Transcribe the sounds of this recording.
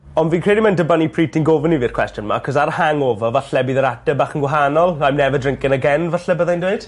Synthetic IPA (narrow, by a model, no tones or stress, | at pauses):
ɔnviːnkʰr̥eːdimɛndəbanipʰriːtʰinɡovəniviːrkʰw̥ɛstjʊnma̰kʰɔs̬aɾhaŋɔːvɔvaɬɛbiːðəɾadɛbaːχənɡwaɦanɔlˠajmnɛvədrɪŋkɪnəɡɛnvaɬɛbəðajndweɨd̥